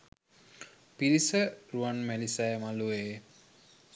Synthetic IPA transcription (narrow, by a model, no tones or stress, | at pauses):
piɾisəɾuanmɛlisajmalueː